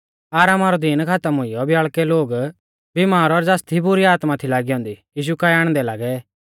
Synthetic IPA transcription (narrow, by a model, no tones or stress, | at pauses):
aːɾaːmaɾɔd̪inkʰat̪əmɦʊɪjɔbjaːɭkɛloːɡ | bimaːɾɔɾd͡zaːst̪ʰibʊɾiaːt̪mat̪ʰilaːɡiɔ̃ːnd̪ijiːʃ̬ukajaːɽ̃d̪ɛlaːɡɛ